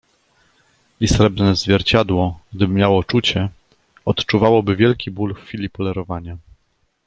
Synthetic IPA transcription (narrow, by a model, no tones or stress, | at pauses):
isɾɛbnɛzvʲjɛɾt͡ɕad̪wɔɡ̚d̪ɘbɘmjawɔt͡ʂut͡ɕɛ | ɔt̪t͡ʂuvawɔbɘvʲjɛlkʲibulffʲilʲipɔlɛɾɔvaɲa